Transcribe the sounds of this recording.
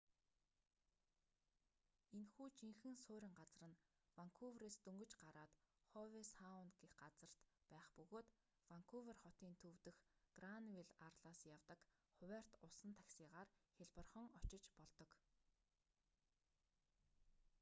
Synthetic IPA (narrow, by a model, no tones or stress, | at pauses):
enxuːt͡ɕiŋxɘ̆ŋsoːɾʲĭŋɢat͡srə̆n | waŋkʰuwreːst̪ɵŋɡɵ̆t͡ɕɢaɾaːt̪χɔwesaʊnɡexɢat͡sə̆r̥t̪pæːχpɵɣoːt̪ | waŋkʰuverχɔt̪iːnt̪ʰɵwt̪ɘ̆xɡranwiɮarɮaːsjawt̪ə̆kχʊwær̥t̪ʊsə̆nt̪ʰḁxsiːʁaːrxʲeɮpə̆rχə̆ŋɔt͡ɕɪ̆t͡ɕpɔɮt̪ɞ̆k